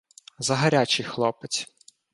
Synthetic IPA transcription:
zɐɦɐɾʲat͡ʃɪjxlˠɔpɪt͡sʲ

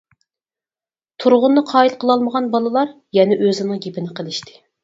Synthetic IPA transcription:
t̪ʰuɾʁʊnːɨqʰɑːilˠqʰəlˠɑlˠməʁɑnbɑlˠɨlˠɑɾ | jɛnɛʔøzɪnɨŋɡʲepɪnɪqʰəlˠɪʃt̪ʰɪ̥

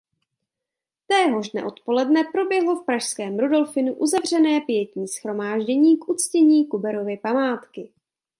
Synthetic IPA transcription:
t̪ɛːɦo̞ʒdnɛ̰ʔo̞t̪po̞lɛdnɛpɾo̞bjɛɦlo̞fpɾaʃskɛːmɾudo̞lfɪnuʔuzavr̝ɛnɛːpɪjɛcɲiːsxɾo̞maːʒɟɛɲiːkʔut͡scɛɲiːkubɛɾo̞vɪpamaːt̪kɪ

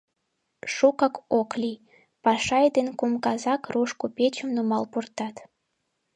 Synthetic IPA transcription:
ʃukɑkoklʲij | pɑʃɑjd̪enkumkɑzɑkruʃkupet͡ɕəmnumɑlpurt̪ɑt̪

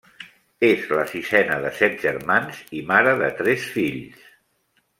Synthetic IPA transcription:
ezləsisɛnəðəsɛt̪̚ʒəɾmanzimaɾəðə̰t̪ɾɛsfiʎs

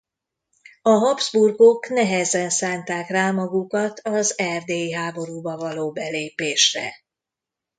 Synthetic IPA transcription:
ɒɦɒbzburɡoknɛɦɛzɛnsaːnt̪aːkraːmɒɡukɒt̪ʰɒzɛrd̪eːjiɦaːbo̞ɾuːbɒvɒloːbɛleːpeːʃrɛ̰

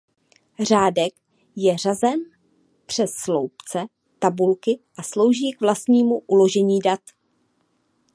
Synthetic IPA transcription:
r̝aːdɛk | jɛr̝azɛn | pr̝̥ɛsːlowpt͡sɛ | t̪abulkɪʔaslo̞wʒiːkvlast̪ɲiːmuʔulo̞ʒɛɲiːdat̪

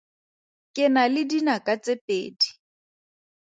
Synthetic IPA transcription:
kʼɪnalɪdinakʼat͡sepʼḛːdi̥

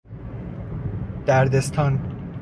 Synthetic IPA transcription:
d̪̥æɾd̪est̪ʰɒːn

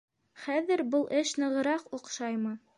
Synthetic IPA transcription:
χæðɘɾbɤlˠʔɘʃnɤ̆ʁɤ̆ɾɑqŏqʃɑjmɤ

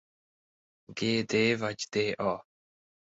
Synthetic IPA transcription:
ɡeːd̪evad͡ʒd̪̥eʔɔ

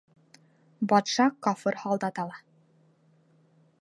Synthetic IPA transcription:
bɒt̪ʃɑkɒfɤɾhɑlˠd̪ɑt̪ɑlˠɑ

